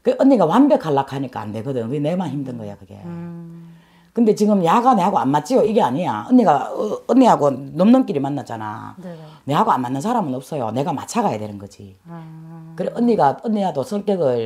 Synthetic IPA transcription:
kɯɡeʔʌɲːiɡawanbjʌkʰaɭːakʰaɲik͈a̰ːndeɡɯdɯmkɯɡenemançimdɯnɡʌejokɯɡe̞̰ | kɯnde̞t͡ɕiɡɯmjaɡane̞haɡoa̰nmat͡ɕ͈ijoiɡe̞aɲija̰ɯnːiɡaːnːiɦaɡonomnɯnk͈iɾimanːat͡ɕ͈ana̰ne̞ɦaɡoa̰nmanːɯnsʰaɾamɯnʌp̚s͈ʌjo̰ne̞ɡama̰t͡ɕʰaɡajedeɾɯnɡʌd͡ʑḭ | kɯɾeʔʌnːiɡaʌnːijadosʰʌŋt͈eɡɯɭ

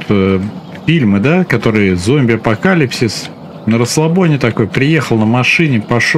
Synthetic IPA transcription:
t̪ə | fʲilʲmɨd̪akɐt̪o̞ɾɨjzomʲbʲɪɐpɐkalʲɪpsʲɪs | nəɾəslˠɐbonʲɪt̪ɐko̞jpɾʲɪje̞xəlˠnəmɐʂɨnʲɪpɐʂo

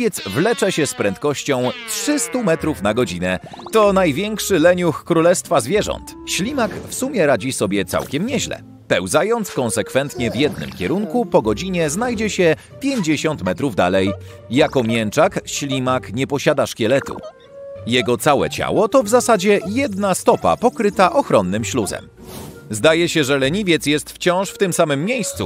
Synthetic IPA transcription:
jɛt̪zvlɛt͡ʂɛɕɛspɾɛnt̪kɔɕt͡ɕɔ̃w̃tʂɘst̪umɛt̪ɾufnaɡɔd͡ʑinɛ | t̪ɔnajvʲjɛŋkʂɘlɛɲuxkːɾulɛst̪fazvʲjɛʐɔ̰nt̪ | ɕlʲimakfsumʲjɛɾad͡ʑisɔbʲjɛt̪sa̰wkʲɛmɲɛʑlɛ̰ | pɛwzajɔnt̪skɔ̃nsɛkfɛnt̪ɲɛvʲjɛd̪nɘ̰mkʲɛɾuŋkupɔɡɔd͡ʑiɲɛznajd͡ʑɛɕɛ | pʲjeɲd͡ʑeɕɔnt̪mɛt̪ɾuvd̪a̰lɛjː | akɔmʲjɛnt͡ʂakɕlʲimakɲɛpɔɕad̪aʂkʲɛlɛt̪ṵ | jɛɡɔt̪sawɛ̰t͡ɕa̰wɔt̪ɔvzasad͡ʑɛjɛd̪nast̪ɔpa̰pɔkɾɘt̪aʔɔxɾɔnːɘmɕluzɛ̰m | zd̪ajɛɕɛʐɛlɛɲivʲjɛt̪sjɛst̪ft͡ɕɔ̃w̃ʂft̪ɘmsamɘmːʲjejst̪sṵ

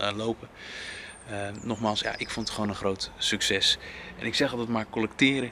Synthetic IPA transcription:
lowpə | nɔχmaːlˠsja̰ʔɪkfontətχʋoːnənχrowtsɵksɛsɛnɪksɛχɑlˠdətmaːɹkɔlɛk̚tɪːɾə

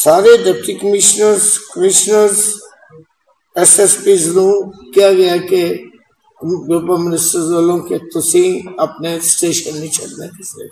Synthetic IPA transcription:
saːɾeɖep̚ʈikəmɪʃnəɾzkəmɪʃnəɾz | ɛsɛspiːzɾũːkjaɡɐjake | bopəmɪnɪsʈəɾzaːlõket̪osĩːnɐpnesʈeːʃənmẽt͡ʃɐlned̪esḛ

